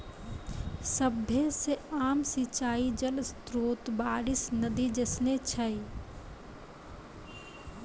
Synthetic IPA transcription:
səbʱeseaːmsɪt͡ʃaːid͡ʒəlst̪ɾoːt̪baːɾɪsnɐd̪id͡ʒesnet͡ʃʰəi

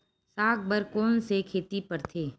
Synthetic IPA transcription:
saːk̚bəɾkoːnsekʰeːt̪ipɐɾt̪ʰeː

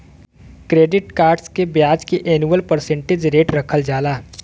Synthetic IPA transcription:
kɾeːɖɪʈkaːɾɖskebjaːd͡ʒkeʔeːnuəlpəɾsẽɳʈed͡ʒɾeːʈɾɐkʰəld͡ʒaːlaː

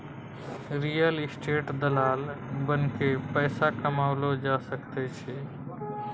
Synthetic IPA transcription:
ɾijəlɪsʈeːʈd̪əlaːlbənkepɛːsakəmaːwlod͡ʒasəkt̪ɛt͡ʃʰɛ

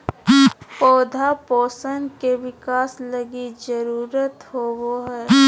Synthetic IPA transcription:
pɔːd̪ʱapɔːsənkeʋɪkaːsləɡid͡ʒəɾuːɾət̪ɦowoɦɛː

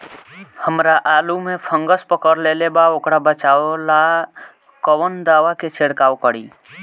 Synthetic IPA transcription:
həmɾaʔaːlumepʰə̃ŋɡəspəkəɾlelebaokɾabət͡ʃaola | kəwənd̪aːʋaket͡ʃʰeɽkaokəɽḭː

